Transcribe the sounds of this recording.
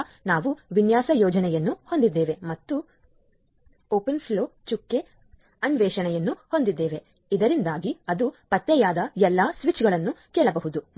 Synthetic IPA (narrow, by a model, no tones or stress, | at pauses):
naːʋuʋinjaːsɐjɔːd͡ʒɐnɛjɐnːuho̞nd̪id̪ːeːʋe̞mɐt̪ːu | oːpenpʰloːt͡ʃukːe | ɐnʋɛːʃɐɳɛjɐnːuho̞nd̪id̪ːeːʋe̞ | id̪ɐɾind̪aːɡiɐd̪upɐt̪ːɛjaːd̪ɐɛlːɐsʋit͡ʃɡɐɭɐnːukɛːɭɐbɐɦud̪u